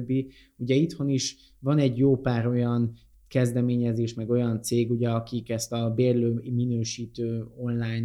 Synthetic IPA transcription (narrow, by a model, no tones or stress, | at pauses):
bːi | uɟɛit̪ho̞niʃ | vɒnɛɟjoːpaːɾo̞jɒn | kɛzd̪ɛmeːɲɛzeːʃmɛɡo̞jɒnt̪seːɡuɟɛɒkikɛst̪ɒbeːrløːminøːʃiːt̪øːo̞nlaːjɲn